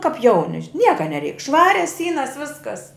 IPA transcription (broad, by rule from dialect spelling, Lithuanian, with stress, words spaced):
kɐp ˈjɛʊnʲɪ ˈnʲiɛkɐ nʲɛˈrʲɛɪk ˈʃʋɑːrʲɛs ˈsʲiːnɐs ˈʋʲɪskɐs